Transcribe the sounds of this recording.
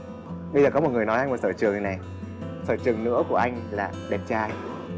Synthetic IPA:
ɓə˧zəː˨˩kɔ˨˦o˨˩t̚ŋ˨˩əjnɔ˨˦ʔa˧ŋ̟mo˨˩t̚səː˧˩t͡ɕɨ˨˩əŋna˨˩j | səː˧˩t͡ɕɨ˨˩əŋnɨ̰˧˥ku˧˩əʔa˧jŋ̟laː˨˩ɗɛ˨˩p̚t͡ɕaː˧j

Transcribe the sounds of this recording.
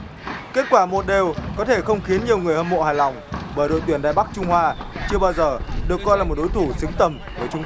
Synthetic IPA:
ke˦˥t̚kwaː˧˩mo˨˩t̚ɗe˨˩wkɔ˨˦t̪ʰe˧˩xə˧wŋ͡mxi˨˦ənɲi˨˩əwŋɨ˨˩əhə˧˩mo̰˧˨haː˨˩jla˨˩wŋ͡mɓəː˧˩jɗo̰˧˨jt̪wi˧˩ənɗa̰ː˧˨jɓa˦˥k̚t͡ɕʊ˧ŋ͡mhwaː˧t͡ɕɨ˧əɓaː˧wzəː˨˩ɗɨ˨˩əkːɔ˧jlaː˨˩mo˨˩t̚ɗo˨˦jt̪ʰu˧˩sɨ˨˦ŋt̪ə˨˩m | vəː˧˩jt͡ɕʊ˧ŋ͡m

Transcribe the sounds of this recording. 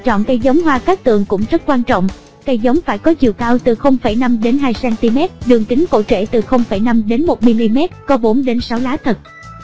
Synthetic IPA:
t͡ɕɔ̰˧˨nkə˧jzə˨˦wŋ͡mɦwaː˧kaː˦˥k̚t̪ɨ̰˧˨əŋkʊ̰˧˥ŋ͡mzə˦˥t̚kwaː˧nt͡ɕɔ̰˧˨wŋ͡m | kə˧jzə˨˦wŋ͡mfaː˧˩jkɔ˨˦zḭ˧˨əwkaː˧wt̪ɨ˨˩xə˧wŋ͡mfa˧˩jna˧mɗe˨˦nɦaː˧jsɛː˧nt̪i˧mɛ˦˥t̚ɗɨ˨˩əŋt̪ï˨˦ŋ̟ko̰˧˥t͡ɕḛ˧˩t̪ɨ˨˩xə˧wŋ͡mfa˧˩jna˧mɗe˨˦nmo˨˩t̚mi˧li˧mɛ˦˥t̚kɔ˨˦ɓo˨˦nɗe˨˦nsa˨˦wlaː˨˦˥t̪ʰə˨˩t̚

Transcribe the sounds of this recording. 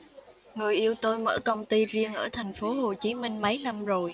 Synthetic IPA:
ŋɨ˨˩əjʔi˧əwt̪o˧jmə̰ː˧˩kə˧wŋ͡mt̪i˧zi˧əŋʔəː˧˩t̪ʰɛ˨˩jŋ̟fo˨˦ɦo˨˩t͡ɕi˨˦mï˧ŋ̟mə˨˦jna˧mzo˨˩j

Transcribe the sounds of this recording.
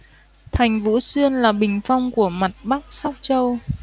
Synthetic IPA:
t̪ʰa˨˩jŋ̟vṵ˧˥swi˧ənlaː˨˩ɓï˨˩ŋ̟fa˧wŋ͡mku˧˩əma˨˩t̚ɓa˦˥k̚sa˦˥k͡p̚t͡ɕə˧w

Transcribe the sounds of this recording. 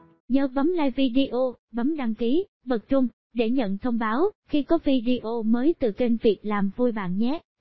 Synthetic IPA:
ɲəː˨˦ɓə˨˦mlaː˧jvi˧ɗi˧ʔo˧ɓə˨˦mɗa˧ŋki˨˦ | ɓə˨˩k̚t͡ɕʊ˧ŋ͡m | ɗe˧˩ɲə̰˧˨nt̪ʰə˧wŋ͡mɓaː˨˦wxi˧kɔ˨˦vi˧ɗi˧ʔo˧məː˨˦jt̪ɨ˨˩t͡ɕe˧nvi˨˩ək̚laː˨˩mvu˧jɓa̰ː˧˨nɲɛ˦˥

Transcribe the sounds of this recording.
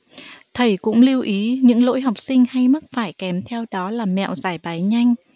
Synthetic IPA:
t̪ʰə˨˩jkʊ̰˧˥ŋ͡mli˧əwʔi˨˦ɲɨ̰˧˥ŋlo̰˧˥jɦa˨˩wk͡p̚sï˧ŋ̟ha˧jmə˦˥t̚faː˧˩jkɛ˨˦mt̪ʰɛ˧wɗɔ˨˦laː˨˩mɛ̰˧˨wzaː˧˩jɓaː˨˦jɲa˧jŋ̟

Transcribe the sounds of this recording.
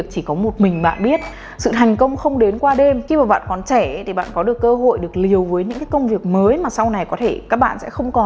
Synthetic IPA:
ək̚t͡ɕi˧˩kɔ˨˦mo˨˩t̚mï˨˩ŋ̟ɓa̰ː˧˨nɓi˦˥ət̚ | sɨ̰˧˨t̪ʰa˨˩jŋ̟kə˧wŋ͡mxə˧wŋ͡mɗe˨˦nkwaː˧ɗe˧mxi˧maː˨˩ɓa̰ː˧˨nkɔ˨˩nt͡ɕɛ˧˩˨t̪ʰi˨˩ɓa̰ː˧˨nkɔ˨˦ɗɨ˨˩əkːəː˧ɦo̰˧˨jɗɨ˨˩ək̚li˨˩əwvəː˨˦jɲɨ̰˧˥ŋkaː˨˦jkə˧wŋ͡mvi˨˩ək̚məː˨˦jmaː˨˩sa˧wna˨˩jkɔ˨˦t̪ʰe˧˩kaː˦˥k̚ɓa̰ː˧˨nsɛ̰˧˥xə˧wŋ͡mkɔ˨˩n

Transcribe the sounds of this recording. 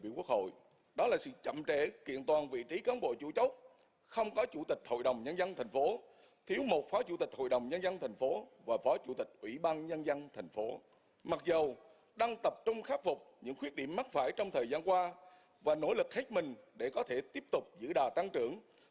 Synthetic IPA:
ḭ˧˨ku˦˥ək̚ho̰˧˨j | ɗɔ˨˦laː˨˩sɨ̰˧˨t͡ɕə̰˧˨mt͡ɕɛ̰˧˥kḭ˧˨ənt̪waː˨˩nvḭ˧˨t͡ɕi˨˦kaː˨˦nɓo̰˧˨t͡ɕṵ˧˩t͡ɕə˦˥wk͡p̚ | xə˧wŋ͡mkɔ˨˦t͡ɕu˧˩t̪ï˨˩k̟̚ho̰˧˨jɗə˨˩wŋ͡mɲə˧nzə˧nt̪ʰɛ˨˩jŋ̟fo˨˦ | t̪ʰi˨˦əwmo˨˩t̚faː˨˦t͡ɕṵ˧˩t̪ï˨˩k̟̚ho̰˧˨jɗə˨˩wŋ͡mɲə˧nzə˧nt̪ʰa˨˩jŋ̟fo˨˦vaː˨˩fɔ˨˦t͡ɕṵ˧˩t̪ï˨˩k̟̚ʔwḭ˧˩ɓaː˧nɲə˧nzə˧nt̪ʰɛ˨˩jŋ̟fo˨˦ | ma˨˩t̚zə˨˩w | ɗa˧ŋt̪ə˨˩p̚t͡ɕʊ˧ŋ͡mxaː˦˥k̚fʊ˨˩k͡p̚ɲɨ̰˧˥ŋkxwi˦˥t̚ɗḭ˧˩əmːa˦˥t̚faː˧˩jt͡ɕɔ˧wŋ͡mt̪ʰəː˨˩jzaː˧nkwaː˧ | vaː˨˩no̰˧˥lɨ˨˩k̚he˦˥t̚mï˨˩ŋ̟ɗe˧˩kɔ˨˦t̪ʰe˧˩t̪i˦˥əp̚t̪ʊ˨˩k͡p̚zɨ̰˧˥ɗaː˨˩t̪a˧ŋt͡ɕɨ˧˩˨əŋ

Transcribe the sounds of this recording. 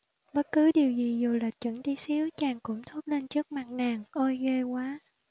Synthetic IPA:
ɓə˦˥t̚kɨ˨˦ɗi˨˩əwzi˨˩zu˨˩laː˨˩t͡ɕwə̰˧˩˦nt̪i˨˦si˨˦əwt͡ɕaː˨˩ŋkʊ̰˧˥ŋ͡mt̪ʰo˦˥t̚le˧nt͡ɕɨ˦˥ək̚ma˨˩k̚naː˨˩ŋʔo˧jɣe˧kwaː˨˦

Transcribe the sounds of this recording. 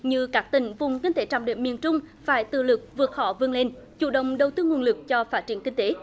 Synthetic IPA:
ɲɨ˧kaː˦˥k̚t̪ï˧˩ŋ̟vʊ˨˩ŋ͡mkï˧ŋ̟t̪e˨˦t͡ɕa̰ː˧˨˩ŋ͡mɗḭ˧˨əmi˨ənt͡ɕʊ˧ŋ͡mfaː˧˩jt̪ɨ̰˧˨lɨ˨˩k̚vɨ˨˩ət̚hɔ̰˧˩vɨ˧əŋle˧n | t͡ɕṵ˧˩ɗə̰˧˨wŋ͡mɗə˨˩wt̪ɨ˧ŋwənlɨ˨˩k̚t͡ɕɔ˧faː˦˥t̚t͡ɕi˧˩ənkï˧ŋ̟t̪e˨˦

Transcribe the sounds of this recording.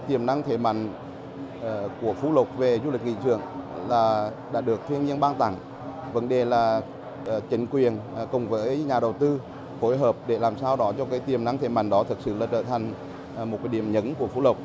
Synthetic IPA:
t̪i˨˩əmna˧ŋt̪ʰe˧˩ma̰˧˨jŋ̟ː˨˩ | ku˧˩əfu˧˦lə˨˩wk͡p̚ve˨˩zu˧lï˨˩k̟̚ŋḭ˧˨t͡ɕ̪ɨ̰˧˨əŋlaː˨˩ɗa̰ː˧˥ɗɨ˨˩ək̚t̪ʰwi˧əɲi˧ənɓaː˧ŋt̪a̰˧˩ŋ | və˨˦nɗe˨˩laː˨˩˨ | t͡ɕï˨˦ŋ̟kwi˨˩ənkʊ˨˩ŋ͡mvəː˨˦jɲaː˨˩ɗə˨˩wt̪ɨ˧ | fo˨˦jɦəː˨˩p̚ɗe˧˩laː˨˩msaː˧wɗɔ˨˦t͡ɕɔ˧kaː˨˦jt̪i˨˩əmna˧ŋt̪ʰe˧˩ma̰˧˩jŋ̟ɗɔ˨˦t̪ʰɨ˨˩k̚sɨ̰˧˨laː˨˩t͡ɕə̰ː˧˩t̪ʰa˨˩ŋ̟˩ | mo˨˩t̚kaː˨˦jɗi˧˩əmɲə˨˦nku˧˩əfu˨˦lə˨˩wk͡p̚

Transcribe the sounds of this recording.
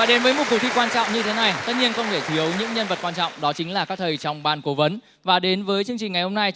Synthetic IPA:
vaː˨˩ɗe˨˦nvəː˨˦jmo˨˩t̚ku˨˩k̚t̪ʰi˧kwaː˧nt͡ɕɔ̰˧˨wŋ͡mɲɨ˧t̪ʰe˨˦na˨˩jt̪ə˦˥t̚ɲi˧ənxə˧wŋ͡mt̪ʰe˧˩t̪ʰi˨˦əwɲɨ̰˧˥ŋɲə˧nvə˨˩t̚kwaː˧nt͡ɕɔ̰˧˨ŋ͡mɗɔ˨˦t͡ɕï˨˦ŋ̟laː˨˩kaː˦˥k̚t̪ʰə˨˩jt͡ɕɔ˧wŋ͡mɓaː˧nko˨˦və˨˦n | vaː˨˩ɗe˨˦nvəː˨˦jt͡ɕɨ˧əŋt͡ɕï˨˩ŋa˨˩jho˧ŋ͡mna˧j

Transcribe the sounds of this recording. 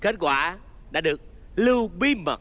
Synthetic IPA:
ke˦˥t̚kwaː˧˩ | ɗa̰ː˧˥ɗɨ˨˩ək̚lɨ˧wɓi˧˦mə̰˨˩t̚

